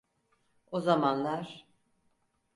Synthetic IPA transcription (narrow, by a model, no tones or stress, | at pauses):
ozamanlˠaɾ̥